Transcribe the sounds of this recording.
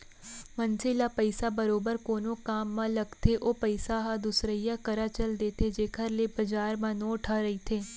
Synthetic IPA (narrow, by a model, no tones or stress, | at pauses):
mɐ̃nselapəɪsabɐɾoːbəɾkoːnõkaːmːãlɐɡt̪ʰeʔoːpəɪsaɦad̪ʊsɾəijakɐɾat͡ʃəld̪eːt̪ʰed͡ʒeːkʰəɾlebɐd͡ʒaːɾmãnõːʈʰaɾɐit̪ʰeː